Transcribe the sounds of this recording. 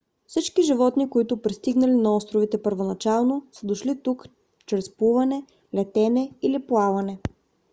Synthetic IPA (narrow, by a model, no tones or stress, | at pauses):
fsit͡ʃkiʒivɔt̪nikoit̪ʊpɾist̪iɡnɐlinɐɔst̪ɾovit̪ɛpəɾvonɐt͡ʃalˠnosəd̪oʃlit̪uk | t͡ʃɾɛspuvɐnɛ | lɛt̪ɛnɛiliplˠavɐnɛ